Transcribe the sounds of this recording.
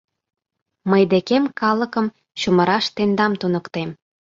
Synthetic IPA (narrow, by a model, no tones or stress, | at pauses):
məjd̪ekemkɑləkə̆m | ɕuməɾɑʃt̪end̪ɑmt̪unəkt̪em